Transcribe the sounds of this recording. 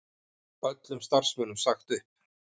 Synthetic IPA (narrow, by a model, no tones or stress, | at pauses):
pœt̪lʏmst̪ar̥smœːnʏmsaxt̪ʏhp̚